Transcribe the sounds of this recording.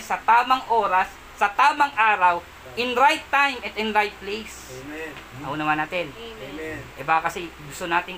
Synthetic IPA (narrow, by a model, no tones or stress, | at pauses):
sɐt̪aːmɐŋʔoːɾɐsːɐt̪aːmɐŋʔaːɾɐw | ʔɪnɾajt̪ːajmɐt̪ɪnɾajt̪̚plejs | ɐ̰uːnɐmanat̪ɛn | ʔɛbakɐsɛɡʊst̪onaːt̪ɪŋ